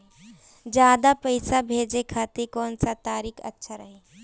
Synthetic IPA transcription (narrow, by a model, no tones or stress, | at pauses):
d͡ʒjaːd̪apɐɪsabʱeːd͡ʒekʰaːt̪ekɔːnsat̪aːɾiːkʰɐ̰tːʃʰaɾɐɦeː